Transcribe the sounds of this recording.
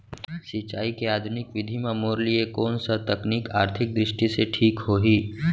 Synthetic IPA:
sɪt͡ʃaːikeaːd̪ʱʊnɪkʋɪd̪ʱimãmoːɾliekɔːnsat̪ɐkniːkaːɾt̪ʰɪk̚d̪ɾɪʃʈiseʈʰiːkɦoːɦiː

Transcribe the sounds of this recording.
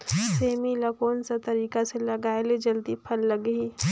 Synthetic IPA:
seːmilɐkoːnsat̪ɐɾiːkaselɐɡaːeled͡ʒɐld̪ipʰɐlːɐɡiː

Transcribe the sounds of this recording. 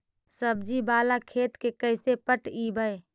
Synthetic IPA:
səb̚d͡ʒibaːlakʰeːt̪kekəɪsepəʈibʱəe

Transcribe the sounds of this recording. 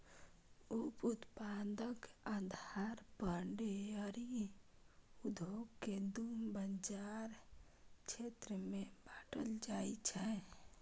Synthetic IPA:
uput̪pad̪əkad̪ʱaɾpəɳɖeəɾi | ud̪ʱoɡked̪umbənd͡ʒaɾ | t͡ʃʰet̪ɾəmebaʈəld͡ʒajt͡ʃʰɛ

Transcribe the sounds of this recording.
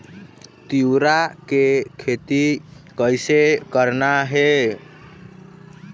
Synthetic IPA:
t̪iwɾakekʰet̪ikəjsekəɾnaɦe

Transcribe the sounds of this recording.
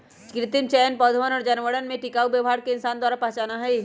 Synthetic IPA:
kɾɪt̪ɪnt͡ʃɛːnpɔːd̪ʱəʋənɔːɾd͡ʒɐnʋəɽənmẽʈɪkaːubjəʋɦaːɾkeɪnsaːnd̪waːɾapɐɦt͡ʃaːnaɦɛi

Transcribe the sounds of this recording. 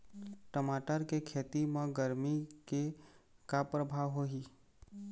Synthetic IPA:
ʈəmaːʈəɾkekʰeːt̪imãɡəɾmikekapɾəbʱaːʋɦoɦiː

